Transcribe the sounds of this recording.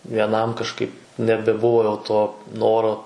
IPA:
ʋʲiɛˈnɐm kɐʃˈkɐɪp nʲɛbʲɛˈbʊʋoː jɛʊ toː ˈnoːroː

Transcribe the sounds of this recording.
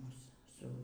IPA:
ˈmʊs ˈsʊ

